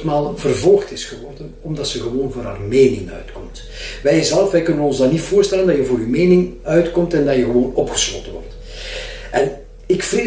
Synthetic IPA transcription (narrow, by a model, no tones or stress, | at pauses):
tmaːlˠvərvɔlˠxtɪsxəʋɔrdənɔmdɑtsəɣəʋoːnvʊːrɾɦa̰ːrmeːnɪŋœ̰ɥtkɔmt | ʋɛjzɛlˠəfʋɛjkɵnəʋəɔnzdɑnːitfoːrstɛləndɑjəvoːɾyːmeːnɪŋœɥtkɔmtɛndɑjəɣəʋoːnɔpxə̥slo̰ːtənʋɔ̰rt | ʔɛn | ɪkfreː